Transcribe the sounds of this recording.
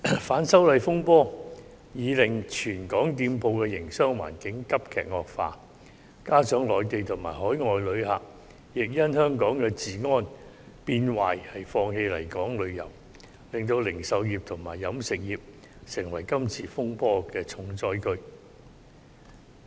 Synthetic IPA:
faː˨˥nsɐ˥wlɐ˨jfʊ˥ŋpɔː˥ | jiː˨˧lɪ˨˩ŋt͡ʃʰyː˨˩nkɔː˨˥ŋt̪iː˧mpʰo˧wkɛː˧jɪ˨˩ŋsœː˥ŋwa̰ː˨˩nkɪ˨˥ŋkɐ˥p̚kʰɛ̰ː˨k̚ŋɔː˨k̚fa̰ː˧ | kaː˥t͡sœː˨˥ŋlɔː˨˧jt̪e˨jt̪ʰʊ˨˩ma̰ː˨˩jhɔː˨˥jŋɔː˨jlɵ˨˧ɥha˨k̚ | jɪ˨k̚jɐ˥nhœː˥ŋkɔː˨˥ŋkɛː˧t͡siː˨ŋɔː˥n | piː˧nwaː˨jhɐ˨jfɔː˧ŋhe˧jlɐ̰˨˩jkɔː˨˥ŋlɵ˨˧ɥjɐ̰˨˩w | lɪ˨ŋt̪o˧wlɪ˨˩ŋsɐ˨˧wjiː˨p̚t̪ʰʊ˨˩ŋma̰ː˨˩jːɐ˨˥msɪ˨k̚jiː˨p̚ | sɪ˨˩ŋwɐ˨˩jkɐ˥mt͡sʰiː˧fʊ˥ŋpɔː˥kɛː˧t͡sʰʊ˨˧˥ŋt͡sɔː˧˥jkɵ˥ɥ

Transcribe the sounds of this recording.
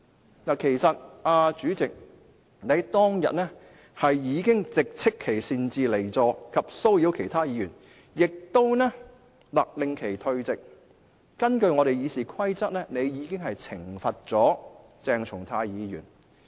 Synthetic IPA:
naː˨kʰe˨˩jsɐ˨t̚aː˧t͡ʃyː˨˥t͡sɪ˨k̚ | ne˨˥jt̪ɔː˥ŋjɐ̰˨t̚nɛː˥ | hɐ˨jjiː˨˧kɪ˥ŋt͡sɪ˨k̚t͡sʰɪ˥kʰːe˨˩jsiː˧nt͡siː˨le˨˩jt͡sɔː˨˧kʰɐ˨p̚so˥wji˨˧˥wkʰe˨˩jt̪ʰaː˥jiː˨˧jyː˨˩n | jɪ˨k̚t̪o˥wnɛː˥ | laː˨˩k̚lɪ˨ŋkʰe˨˩jt̪ʰɵ˧ɥt͡sɪ˨k̚ | kɐ˥nkɵ˧ɥŋɔː˨˧ɾe˨jjiː˨˧siː˨kʰɐ˥jt͡sɐ˥t̚nɛː˥ne˨˧jjiː˨˧˥kɪ˥ŋɦɐ˨jt͡sʰɪ˨˩ŋfɐ˨t̚t͡sɔː˨˥ | t͡sɛː˧ŋt͡sʰʊ˨˩ŋt̪ʰaː˧jiː˨˧jyː˨˩n

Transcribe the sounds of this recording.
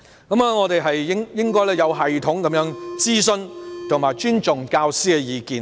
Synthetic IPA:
kɐ˨˧˥ma˨ŋɔː˨˧t̪e˨jɦɐ˨jːɪ˥ŋjɪ˥ŋkɔː˥jlɛː˥jɐ˨˧wɦɐ˨jt̪ʰʊ˨˥ŋkɐ˨˦mjœː˨˥ŋt͡siː˥sɵ˥nt̪ʰʊ˨˩ŋmaː˨jt͡ʃyː˥nt͡sʊ˨ŋkaː˧wsiː˥kɛ˧jiː˨˧kiː˨˩n

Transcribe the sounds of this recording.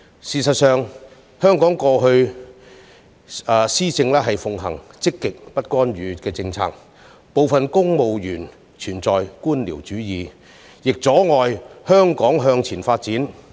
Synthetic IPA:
siː˨sɐ˨t̚sœː˨ŋ | hœː˥ŋkɔː˨˥ŋkɔː˧ɦɵ˧ɥ | ɛː˧siː˥t͡sɪ˧ŋlɛː˥ɦɐ˨jfʊ˨ŋɦɐ˨˩ŋt͡sɪ˥kːɪ˨k̚pɐ˥t̚kɔː˥nɥyː˨˧kɛː˧t͡sɪ˧ŋt͡sʰa̰ː˧k̚ | po˨wfɐ˨nkʊ˥ŋmo˨wjyː˨˩n | t͡ʃʰyː˨˩nt͡sɔː˨jkuː˥nliː˨˩wt͡ʃyː˨˥jiː˨˧ | jɪ˨k̚t͡sɔː˨˥ŋɔː˨jhœː˥ŋkɔː˨˥ŋɦœː˧ŋt͡sʰiː˨˩nfaː˧t̚t͡siː˨˥n

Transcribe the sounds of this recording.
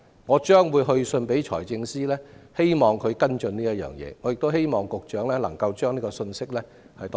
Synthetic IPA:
ŋɔː˨˧t͡ʃœː˥ŋwuː˨˧jɦɵ˧ɥsɵ˧npe˨˥jt͡ʃʰɔ̰ː˨˩jt͡sɪ˧ŋsiː˥lɛː˥he˥jmɔː˨˩ŋkʰɵ˨˧ɥkɐ˥nt͡ʃɵ˧nniː˥jɐ˥t̚jœ̰ː˨˩ŋjɛ̰ː˨˧ŋɔː˨˧jɪ˨k̚t̪o˥whe˥jmɔː˨˩ŋkʊ˨k̚t͡ʃœː˨˥ŋlɛː˥lɐ˨˩ŋkɐ˧wt͡ʃœː˥ŋniː˥kɔ˧sɵ˧nsɪ˥k̚lɛː˥ | hɐ˨jt̪ɔ˨

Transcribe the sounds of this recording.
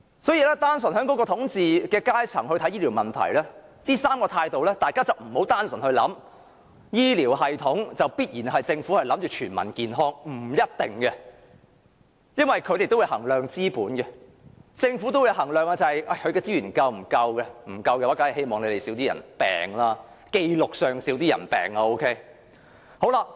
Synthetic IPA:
sɔː˨˥jiː˧lɛː˥t̪aː˥nsɵ˨˩nɦœː˨˥ŋkɔ˨˥kɔː˧t̪ʰʊ˨˥ŋt͡siː˨kɛː˧kaː˥jt͡sʰɐ̰˨˩ŋhɵ˧jt̪ʰɐ˨˥jiː˥li˨˩wmɐ˨˩nt̪ʰɐ̰˨˩jlɛː˥t̪iː˥saː˥mkɔː˧t̪ʰaː˧jt̪o˨wlɛː˥t̪aː˨jkaː˥t͡sɐ˨˩wm̩˨˩ho˨˥wt̪aː˥nsɵ˨˩nhɵ˧ɥlɐ̰˨˥m | jiː˥liː˨˩wɦɐ˨jt̪ʰʊ˨˥ŋt͡sɐ˨˩wpiː˥t̚jiː˨˩nɦɐ˨jt͡sɪ˧ŋfu˨˥hɐ˨˩jlɐ˨˥mt͡ʃyː˨t͡ʃʰyː˨˩nmɐ̰˨˩nkiː˨nɦɔː˥ŋm̩˨˩jɐ˥t̚t̪ɪ˨ŋkɛ˧ | jɐ˥nwɐ˨˩jkʰɵ˨˧t̪e˨jt̪o˥wuː˨˧jhɐ̰˨˩ŋlœː˨˩ŋt͡siː˥puː˨˥nɡɛ˧ | t͡sɪ˧ŋfuː˨˥t̪o˥wu˨˧jɦɐ˨˩ŋlœː˨ŋaː˧t͡sɐ˨hɐ˨jʔa˨˩kʰɵ˨˧ɥkɛː˧t͡si˥jyː˨˩nkɐ˧wm̩˨˩kɐ˧wkɛ˧m̩˨˩kɐ˧wkɛː˧waː˨˥ka˨˥ɐ˨˩he˥jmɔː˨ŋle˨˧t̪e˨jsi˨˥wt̪iː˥jɐ̰˨˩npɛ̰ː˨ŋlaː˥ | ke˧jlʊ˨k̚sœː˨˩ŋsiː˨˥wt̪i˥jɐ̰˨˩npɛ̰ː˨˩ŋaː˧o˥wkʰe˥j | ho˨˥wla˧

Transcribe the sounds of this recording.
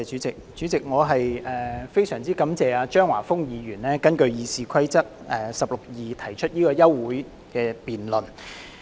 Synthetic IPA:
ɛ˨t͡ʃyː˨˥t͡sɪ˨k̚t͡syː˨˥t͡sɪ˨k̚ŋɔː˨˧ɦɐ˨jɛː˨˩fe˥jsœː˨˩ŋt͡siː˥kɐ˨˥mt͡sɛː˨˧aː˧t͡ʃœː˥ŋwa̰ː˨˩fʊ˥ŋjiː˨˧ɥyː˨˩nlɛː˥kɐ˥nkɵ˧ɥjiː˨˧siː˨˧kʰɐ˥jt͡sɐ˥k̚ɛː˨sɐ˨p̚lo˨k̚jiː˨t̪ʰɐ˨˩jt͡ʃʰɵ˥t̚jiː˥kɔː˧jɐ˥wːuː˨˥j | kɛː˧piː˨nlɵ˨n

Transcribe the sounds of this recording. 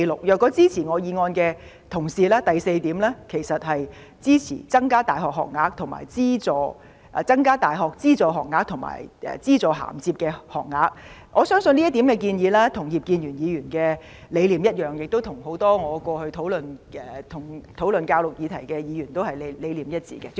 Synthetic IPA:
lʊ˨k̚jœː˨kːɔː˨˥t͡siː˥t͡sʰiː˨˩ŋɔː˨˧jiː˨˧ŋɔː˧nkɛː˧ | t̪ʰʊ˨˩ŋsiː˨laː˥t̪ɐ˨jse˧jt̪iː˨˥mlɛː˥kʰe˨˩jsɐ˨t̚hɐ˨j | t͡siː˥t͡sʰḭ˨˩t͡sɐ˥ŋkaː˥t̪aː˨jhɔː˨˩k̚hɔ̰ː˨˩k̚ŋaː˧k̚t̪ʰʊ˨˩ŋma̰ː˨˩jt͡siː˥t͡sɔː˨˧ | ʔt͡sɐ˥ŋkaː˥t̪aː˨˩jɦɔː˨k̚t͡siː˥t͡sɔː˨ɦɔ̰ː˨˩k̚ŋaː˧˥k̚t̪ʰʊ˨˩ŋma̰ː˨˩jɛ̰ː˨˩t͡siː˥t͡sɔː˨˧ɦa̰ː˨˩mt͡siː˧p̚kɛː˧hɔ̰ː˨˩k̚ŋaː˧k̚ | ŋʔɔː˨˧sœː˥ŋsɵ˧nliː˥ɐ˥t̪iː˨˥mkɛː˧k̬iː˧njiː˨˧laː˥t̪ʰʊ˨˩ŋjiː˨p̚kiː˧njyː˨˩njiː˨˧jyː˨˩nkɛː˧ | le˨˧jliː˨˩mjɐ˥t̚jœː˨˩ŋjɪ˨k̚t̪o˥wt̪ʰʊ˨˩ŋho˨˧˥wt̪ɔː˥ŋɔː˨˧kʷɔː˧hɵ˧ɥt̪ʰo˨˥wlɵ˨nʔɛ˨˧t̪ʰʊ˨˩ŋt̪ʰo˨˥wlɵ˨nkaː˧wlʊ˨k̚jiː˨˧t̪ʰɐ˨˩jkɛː˧jiː˨˧jyː˨˩nt̪o˥whɐ˨jle˨le˨˧jliː˨mjɐ˥t̚t͡sḭː˨˩kɛ˧

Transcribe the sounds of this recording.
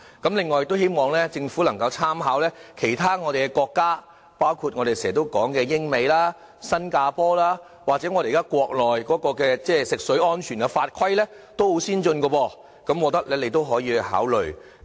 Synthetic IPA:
kɐ˨˦˥mlɪ˨ŋːɔ˨jk̚t̪o˥whe˥jmɔː˨˧ŋlɛː˥t͡sɪ˧ŋfu˨˥lɐ˨˩ŋkɐ˧wt͡sʰaː˥mɦaː˨˥wlɛː˥kʰe˨˩jt̪ʰaː˥ŋɔː˨˧t̪e˨jkɛ˧kɔː˧kːaː˥ | paː˥wkʰuː˧t̚ŋɔː˨˧ɾe˨jsɛː˨˩t̪o˥wkɔː˨˥ŋkɛː˧jɪ˥ŋme˨˧jlaː˥ | sɐ˥nkaː˧pɔː˥laː˥ | waː˨˩t͡sɛ˨˥ŋɔː˨˧ɾe˨˩˨kaː˥kʷɔː˧k̚lɔː˨jkɔː˨˥kɔː˧kɛː˧t͡sɛː˥sɪ˨k̚sɵ˨˥ɥɔː˥nt͡ʃʰyː˨˩nkɛ˧faː˧t̚kʰwɐ˥jlɛː˥ | t̪o˥who˨˥siː˥nt͡sɵ˧nkɔ˧wɔː˧ | kɐ˨˥mwɔː˨˧t̪ɐ˥k̚lɛː˥le˨˧jt̪o˥wɦɔː˨˥jiː˧ha̰ː˨˥wlɵ˨ɥ

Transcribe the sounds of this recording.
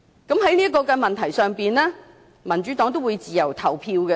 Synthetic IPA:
kɐ˨˥mɦɐ˨˥jni˥kːɔː˧kɐː˧mɐ˨nt̪ʰɐ˨˩jsœː˨ŋpiː˨nlɛː˥ | mɐ˨˩nt͡ʃy˨˦˥t̪ɔː˨˥ŋt̪o˥wuː˨˧jt͡siː˨jɐ˨˩wt̪ʰɐ˨˩wpʰiː˧wkɛ˧

